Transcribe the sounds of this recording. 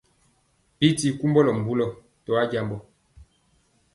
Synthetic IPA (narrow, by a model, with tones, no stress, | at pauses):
bi˦ti˦ku˦mbɔ˦lɔ˨m˨bu˦lɔ˨ | tɔ˨a˦ɟa˨mbɔ˨